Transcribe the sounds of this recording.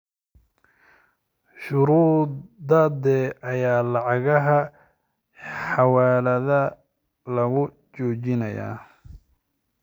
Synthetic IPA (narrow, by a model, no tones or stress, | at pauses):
ʃʊɾuːd̪d̪ɐd̪ɛʔɐjaːlɑʕɑɣɐɦɐ | ħɑwaːlɐðɐ | lɐɣʊ | t͡ʃɔːt͡ʃɪnɐja̰ː